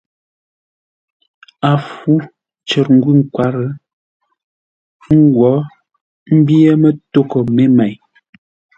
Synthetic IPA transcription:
a˨fu˦ | t͡ʃə˨ɾŋ̩˦ɡwi˦˨ŋ̩˦kwa˨ɾə˦ | ŋ̩˦ɡwɔ˨˦ | m̩˦bi˦e˦mə˦to˦kə˨me˦mɛ˨j

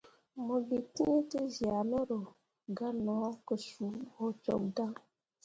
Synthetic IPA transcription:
mo˨bi˨ti˦e˦te˦zi˨a˨nɔ˦ɾo˨ | ɡa˦nɔ˨˦ko˨su˨˦ho˦t͡ʃɔ̰˨kda˦

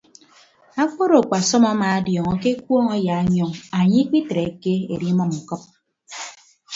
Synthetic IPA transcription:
a˦k͡po˦ɾo˨k͡pa˨sɔ˦ma˦ma˨a˦djɔ˨ŋɔ˦ke˦k̚wɔ˦ŋa˦ja˨˦ɲ˦ɔ˦ŋa˨ɲi˦k͡pi˦tɾe˨e˨˦ke˦e˨ɾi˦mɔ˦m̩˨kɔ˦p̚

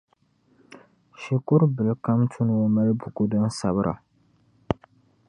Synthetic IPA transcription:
ʃɪ˨kʊ˦ɾbɨ˨lka˦mtʰʊ˦n˨wo˦ma˦lbʊ˨kʊ˦dɨ˦nsa˨bɨ˦ɾʔa̰˨

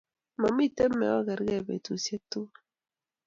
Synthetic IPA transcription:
ma˨mi˦˨tɛ˦mːɛ̰˨ɔ˦˨ɣɛ˨ɾɡɛ˦˨bḛ˨tu˨se˦tu˦

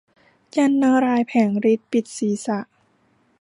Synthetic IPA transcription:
t͡ɕa˧nːa˧ɾaː˧jpʰɛː˩˦ŋɾi˦˥t̪̚pi˨˩t̪̚siː˩˦sa˧˩ʔ

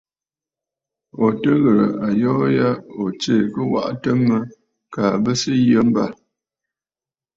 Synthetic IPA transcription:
o˨tə˦ɣə˨ɾə̰˨ʔa˨jɔː˦ja˦o˨t͡ʃe˦˨kə˦wa̰˦ʔtə˦mə˦ | kaː˨bə˦sə˦jə˦m̩˦ba˦˨

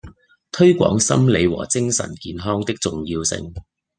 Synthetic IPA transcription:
t̪ʰɵ˥ɥkʷɔ̰ː˨˥ŋsɐ̰˥mle˨˧jwɔ̰ː˨˩t͡sɪ˥ŋsɐ̰˨˩nkiː˨˧nɦɔː˥ŋt̪ɪ˥k̚t͡sʊ˨ŋjiː˧wsɪ̰˧ŋ

